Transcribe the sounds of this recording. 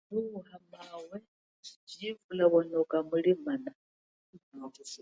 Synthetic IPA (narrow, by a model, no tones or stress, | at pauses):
muuhamawɛ | d͡ʒd͡ʒiːvulaβɔnɛukʼamuɺimana